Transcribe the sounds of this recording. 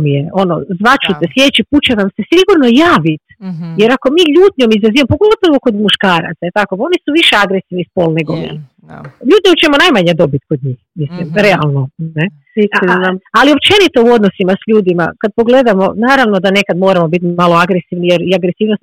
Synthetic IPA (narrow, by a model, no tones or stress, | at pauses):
mijeo̞no̰zʋat͡ʃut̪eslje̞et͡ɕipuːt͡ɕanamse̞siɡuɾno̞jaːʋit̪je̞ɾako̞miːʎuːt̪ɲomizɾaziempo̞ɡo̞t̪oʋoko̞d̪muʃkaːɾa̰t̪sailt̪ako̞o̞nisuʋiʃeaɡɾesiʋnispo̞lne̞ɡomḛl | ʎuːt̪ʲɲout͡ʃe̞munajmaɲed̪o̞bit̪ko̞d̪̚ɲiːxmislimɾe̞alˠno̞ne | alio̞pt͡ʃe̞nit̪o̞uo̞d̪nosimasʎuːd̪ima̰kad̪̚po̞ɡle̞d̪amo̞naːɾaʋno̞d̪ane̞kad̪mo̞ːɾamo̞bit̪malo̞aɡɾesiʋnijeɾiaɡɾesiːʋnost̪